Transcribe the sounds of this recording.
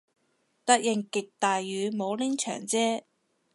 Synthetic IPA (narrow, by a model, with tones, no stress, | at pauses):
t̪ɐ˥k̚jɪ˨˩ŋkɪ˨k̚t̪aː˨jːyː˨˧mo˨˧wlɪ˥ŋt͡ʃʰœ̰ː˨˩ŋt͡sɛː˥